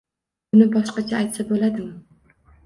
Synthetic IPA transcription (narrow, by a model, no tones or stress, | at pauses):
ʊnɪbɒʃqɑt͡ʃʰaːjt̪sabolad̪ɪm